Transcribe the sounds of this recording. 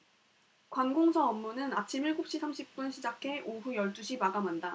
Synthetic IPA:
kwanɡoŋsʰʌʌmːunɯnat͡ɕʰimiɭɡop̚ɕ͈isʰamɕʰip̚p͈unɕʰid͡ʑakʰe̞ʔoɸujʌɭt͈uɕʰimaɡamanda

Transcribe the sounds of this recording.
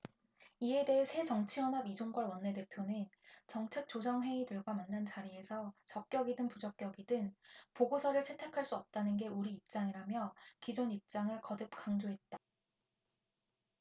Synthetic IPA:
ie̞de̞ɦesʰe̞t͡ɕʌŋt͡ɕʰiwʌnɦabid͡ʑoŋɡwaɭwʌnːe̞te̞pʰjonɯnt͡ɕʌŋt͡ɕʰe̞k̚t͡ɕ͈od͡ʑʌŋɸwe̞idɯɭɡwamanːant͡ɕaɾie̞sʰʌt͡ɕʌk̚k͈jʌɡidɯnpud͡ʑʌk͈̚jʌɡidɯŋpoɡosʰʌɾɯɭt͡ɕʰe̞tʰe̞kʰaɭs͈uʌp̚t͈anɯnɡe̞uɾiːp̚t͡ɕ͈aŋiɾamjʌkid͡ʑonip̚t͡ɕ͈aŋɯɭkʌdɯp̚k͈aŋd͡ʑoɦe̞t̚t͈a

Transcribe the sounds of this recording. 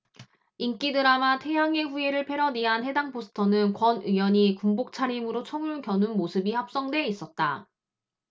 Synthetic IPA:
ink͈idɯɾamatʰe̞jaŋe̞ɸueɾɯɭpʰe̞ɾʌniɦanɦe̞daŋpʰosʰɯ̥tʰʌnɯnkwʌnijʌɲikumbok̚t͡ɕʰaɾimɯɾot͡ɕʰʌŋuɭkjʌnunmosʰɯbihap̚s͈ʌŋdwe̞is͈ʌt̚t͈a

